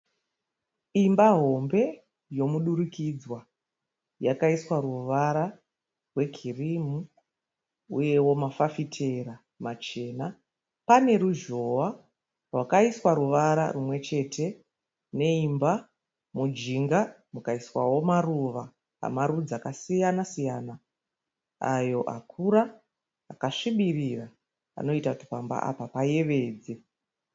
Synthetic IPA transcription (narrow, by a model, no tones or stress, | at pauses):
imbaɦo̞mbe̞ | jo̞muɗuɾukid͡zwa | jakaiswaɾuʋaɾa | rwe̞ɡʱirimu | ṵje̞wo̞mafafitʰe̞ɾa | mat͡ʃe̞ːna | pane̞ɾuʒo̞wa | rwakaiswaɾuʋaɾa̰rumwe̞t͡ʃe̞tʰe̞ | ne̞imba | mud͡ʒiŋɡa | mukaiswa̰wo̞maruʋa | a̰maɾud͡zakasijanasijana | a̰jo̞ʔa̰kʰuɾa | akaʂiɓirira | a̰no̞itakuti̥pamba̰ʔa̰papaje̞ʋe̞ːd͡ze